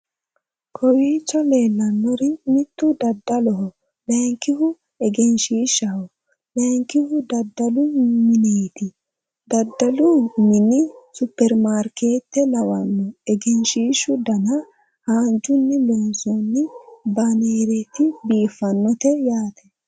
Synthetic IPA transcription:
kʰɔwiːt͡ʃːɔle̞ːlːɐnːɔɾɪmɪt̪ːʊd̪ɐd̪ːɐlɔɦɔ | lɛŋkːɪɦʊ | ɛɡɛnʃiːʃɐhɔ | lɛŋkːɪhʊd̪ɐd̪ːɐlʊmɪneːt̪ɪ | d̪ɐd̪ːɐlʊmɪnɪsʊpːɛɾmaːɾkeːt̪ːɛlɐwɐnːɔɛɡɛnʃiːʃʊd̪ɐnɐ | haːnd͡ʒʊnːɪlɔnsɔnːɪbɐneːɾɛt̪ɪbiːfːɐnːɔt̪ɛjaːt̪ɛ̥

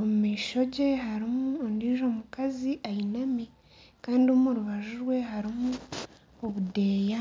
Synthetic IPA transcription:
omumiːʃo̞ɟe̞ɦaɾimuondiːʒo̞ːmukaziʔainami | kaːndiomoɾuβaʒuɾwe̞ɦaɾimu | oβude̞ːja

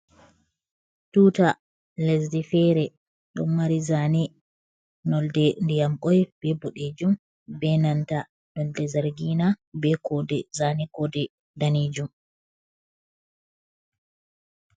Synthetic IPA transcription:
tuːta | lɛzdifɛɾɛ | ɗɔ̰nːaɾizani | nɔldɛndijamkɔjb̥ɛbɔɗed͡ʒum | bɛnanta | nɔldɛzaɾɡinabɛkɔdɛzanikɔdɛ | daned͡ʒum

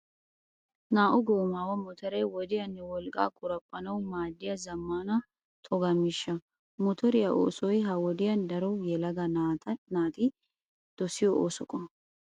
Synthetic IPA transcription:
naːʔɔɡoːmaːwɐmɔt̪ʰɐɾɛjwɔd̪ɪjɐnːɛwɔlkʼa̰ːkʼʊɾɐpʼːɐnɐwmaːd̪ːɪjɐzɐmːaːnɐ | t̪ʼɔɡɐmɪʃːɐ | mɔt̪ʰɔɾɪjɐʔo̰ːsɔjɦɐwɔd̪ɪjɐnd̪ɐɾɔjɛlɐɡɐt̪naːt̪ɪ | d̪̥ɔsɪjɔʔo̰ːsɔkʼɔn

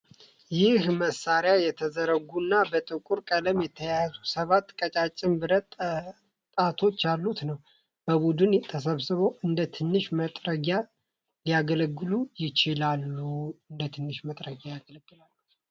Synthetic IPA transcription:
jɪhməsaɾjajɛt̪ʰəzəɾəɡunːabət̪ʼɨkʼuɾkʼələmjɛt̪ʰəjazusəβat̪ːkʼət͡ʃʼat͡ʃʼːɪmbɨɾət̪ | t̪ʼat̪ʰo̞t͡ʃːalːut̪nəw | b̥əβud̪ɨnt̪ʰəs̬əβsɨβoʔɨnd̪ət̪ʰɨnːɨʃmət̪ʼɾəɡa | lijaɡələɡːɨlujɪt͡ʃɪlalːuɨnd̪ət̪ʰɨnːɨʃmət̪ʼɾəɡʲajaɡələɡːɨlalːu

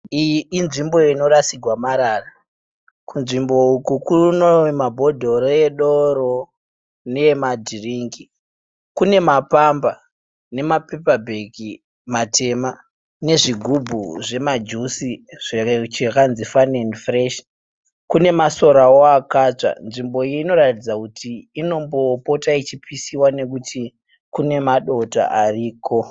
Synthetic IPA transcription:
ijiinʐimboino̞ɾasiɡʱwamaɾara | kunʐimbo̞ukukunomabʱo̞dʱo̞reɗoɾo | nemadʱiriŋɡi | kune̞mapamba | ne̞mapepabʱeki | matʰe̞ma | ne̞ʐiɡʱubʱuʐe̞mad͡ʒusiʐ̥et͡ʃekanzifanenfreʃ | kune̞maso̞ɾaoakat͡ʂa̰nʐimbo̞iino̞ratid͡zakutʰiːno̞mbo̞po̞tait͡ʃipʰisiwane̞kutʰi | kune̞maɗo̞ta̰ʔariːkʰo̞

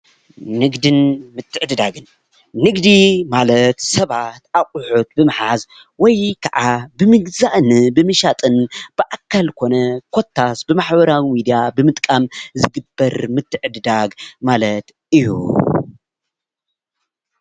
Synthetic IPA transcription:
nɨɡd̪ɨnmɨt̪ʰːɨʕɨd̪d̪aɡɨnː | ɨɡd̪imalɐt̪sɐβat̪ʔakʼʊħut̪̚bɨmɨħaz | wɔjkʰaʔabɨmɨɡzaʔnɨbɨmɨʃat̪ʼɨnb̥ɨʔakʰːalkʰo̞nɐkʰo̞t̪ʰːasbɨmaħbɐɾawimid̪ijabɨmɨt̪ʼkʼamzɨɡɨbːɐɾmɨt̪ʰːɨʕɨd̪d̪aɡmalɐt̪ | ɨjːṵ

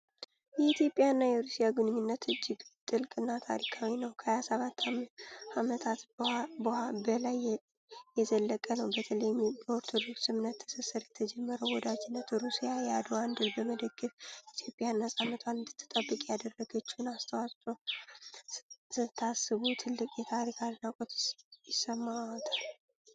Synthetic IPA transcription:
jɛit̪ʰjo̞pʼːjaɨnːajɛɾusijaɡunɨɲːunːət̪ʰɨd͡ʒːɪɡt̪ʼɨlkʼɨnːat̪ʰa̰ɾikʰawinəwkʰəhajasəβat̪ʰːaamət̪ʰat̪bhabəlaj | jɛzəlːəkʼənəwbət̪ʰələjmoɾt̪ʰo̞d̪o̞ksɨmnət̪ʰːə̥səsəɾjɛt̪ʰəd͡ʒɛmːəɾəwwɔd̪ad͡ʒɪnːət̪ɾusijajɛad̪oand̪ɨlbəməd̪əɡːəfit̪ʰjo̞pʼjanːəsʼanːət̪ʰwand̪ɨt̪ʰːɨ̥t̪ʼəbːɨkʼjad̪ərːəɡət͡ʃːnast̪ʰəwast̪ʼo | ɨt̪ʰːasːɨβut̪ʰɨlːɨkʼjɛt̪ʰaɾikʰaɾnakʼot̪jɪsːəmːat̪ʰal

